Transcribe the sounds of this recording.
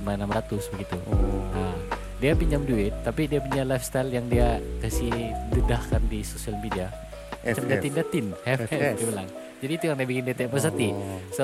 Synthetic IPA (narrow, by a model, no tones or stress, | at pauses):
manamɾat̪ʊsbəɡit̪ua | diapiɲamduɪt̪ːapidiapuɲalajfst̪ajljaŋdiakasidədahkandisosialmedia | at͡ʃamdat̪indat̪ɪnhɛfɛdabəlaŋ | d͡ʒadiːt̪ujaŋdiabikɪndet̪ɛpəs̬ət̪iso